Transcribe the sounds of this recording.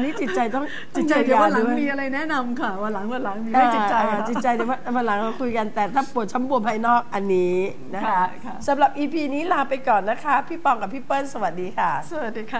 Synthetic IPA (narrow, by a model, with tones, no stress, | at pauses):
niː˦˥t͡ɕi˨˩t̪̚t͡ɕa˧jt̪ɔ˥˩ŋ | t͡ɕi˨˩t͡ɕa˧ja˦wa˧ladu˧˦˩ŋ˨miː˧ʔa˧ɾa˧jnɛ˦˥na˧mkʰa˦˥˩waː˧˩la˨˩˦ŋwa˧nla˨˩˦ŋmi˧aː˥˧˩t͡ɕi˨t͡ɕa˧aː˧t͡ɕi˨˩t̪̚t͡ɕa˧jd̪a˨˦waː˥˩wa˧nla˩˦ŋɾa˧˩kʰu˧jka˧nt̪ɛː˨˩t̪ʰaː˥˩pu˨˩ət̪̚t͡ɕʰa˦˥mbu˧əmha˥˩jnɔː˥˩k̚ʔa˧nːiː˦˥ | na˦˥kʰa˦˥˦sa˩˦mɾa˨˩p̚ʔiː˧pʰiː˧niː˦˥laː˧pa˧jkɔː˨˩nːa˦˥kʰa˦˥pʰiː˥˩pɔː˧ŋka˨˩pʰiː˥˩pɤː˥˩nsa˧wa˨˩t̪̚diː˧kʰa˥˩swa˨˩t̪̚diː˧˩kʰa˦˥˩